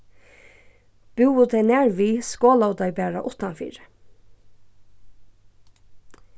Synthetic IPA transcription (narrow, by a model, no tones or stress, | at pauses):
b̥ʉːʊt̪ʰenæːɹʋiːskoːlɑʊd̪ɑɪbæːɹɑ̰ʔʊt̪ɑnfḭːɹə